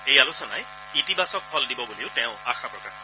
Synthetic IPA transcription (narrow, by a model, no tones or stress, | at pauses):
ejalusɔna̰j | itibasɔk̚pʰɔldibɔbuleʊtɛ̃ʊ̃axapɹɔkaɹ